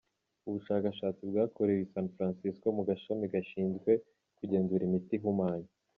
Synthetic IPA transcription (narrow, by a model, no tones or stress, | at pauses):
uβuʃaːkaʃaːt͡sibɡaːkʰoɾewisaːnfɾansisko̞muɡaʃomiɡaʃiːnzɡwe̞ | kuɟe̞ːnzuɾimitiɦumaːɲa